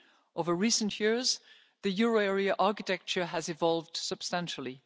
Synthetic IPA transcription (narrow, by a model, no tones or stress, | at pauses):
ʔoʊvə˞ɹisə̃n̩ʔjɪɹz | ðɨjʊɹoɛɹiəʔɑɹkɨtʰɛk̚t͡ʃə˞ɨzɨvɑlˠvd̥səb̥stæ̃nʃl̩ˠi